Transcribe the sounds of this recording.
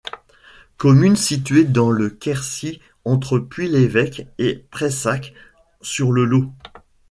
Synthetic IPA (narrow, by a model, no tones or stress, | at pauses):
kɔmynsit̪ɥed̪ɑ̃ləkʲɛʁsi | ɑ̃t̪χəpɥilevɛkepχesak | syʁləlo